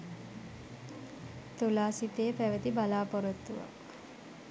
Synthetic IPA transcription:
t̪ulaːsit̪eːpæʋət̪ibalaːpɔɾot̪ːuʋa̰k

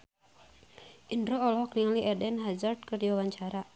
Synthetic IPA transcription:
ʔinɾoɔlɔɦɔkniŋaliɛdɛnɦazart̪̚kərd͡ʒwawaɲt͡ʃaɾa

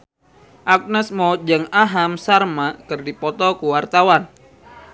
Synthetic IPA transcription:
ʔak̚nəsmɔd͡ʒəŋaɦamsarmakɨrdipɔt̪ɔkuwart̪awan

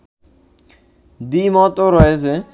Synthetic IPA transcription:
d̪imɔt̪oɾɔeze

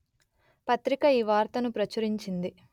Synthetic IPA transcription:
pɐt̪ɾikɐiːʋaːɾt̪ɐnupɾɐt͡ʃɐɾiɲt͡ʃind̪i

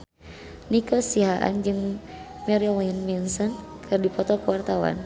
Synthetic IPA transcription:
nikɔsiɦaʔa̰nd͡ʒɨŋ | mɛɾilinminsɔnkʰɨrdipɔt̪ɔkuwart̪awa̰n

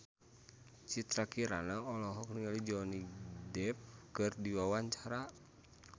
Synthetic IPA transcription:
t͡ʃit̪ɾakiɾanaɔlɔɦɔkniŋalid͡ʒɔnidɛp̚kɨrdiwawaɲt͡ʃaɾa

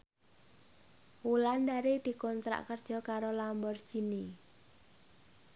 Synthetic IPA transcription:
wuland̪aɾed̪̥i̤kɔnt̪ɾa̰ʔkərd̥ʒ̥ɔ̤kaɾolambɔrd̥ʒ̥i̤ni

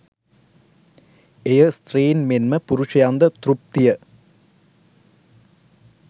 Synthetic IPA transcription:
ejəst̪riːnmenmɐpuɾuʂɐjand̪ɐt̪rup̚t̪ijɐ

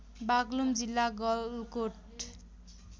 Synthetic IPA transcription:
baɡlumd͡zilːaɡʌlkoʈ

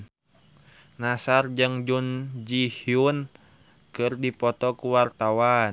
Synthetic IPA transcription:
nasard͡ʒɨŋd͡ʒund͡ʒihiun | kɨrdipɔt̪ɔkuwart̪awan

